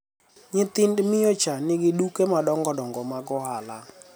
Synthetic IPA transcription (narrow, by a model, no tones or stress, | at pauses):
ɲɪt̪ɪndmɪjɔt͡ʃanɪɡɪdukemadɔŋɡɔdɔŋɡɔmaɡɔɦala